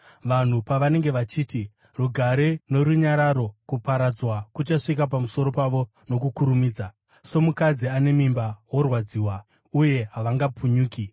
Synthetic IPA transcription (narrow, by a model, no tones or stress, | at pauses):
ʋan̤upaʋane̞ŋɡe̞ʋat͡ʃiːti | ruɡʱaɾe̞no̞ɾuɲaɾaɾo̞kupaɾad͡zwakut͡ʃaʂikap̬amuso̞ɾo̞paʋo̞ | no̞kukuɾumiːd͡za | so̞mukad͡ziane̞mimbawo̞rwad͡ziːwa | uje̞ɦaʋaŋɡap͡fʰuɲuːki